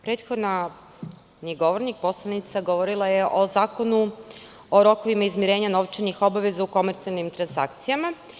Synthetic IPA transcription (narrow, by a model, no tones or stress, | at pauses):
pɾe̞ːt̪xo̞d̪na | niɡo̞ʋoɾnik̚po̞slˠanit̪saɡo̞ʋoɾilˠaje̞ʔo̞zaːko̞nu | o̞ɾo̞koʋimaizmiɾe̞ːɲano̞ʋt͡ʃenixo̞baʋe̞zauko̞meɾt̪sialˠnimt̪ɾansa̰kt̪sijama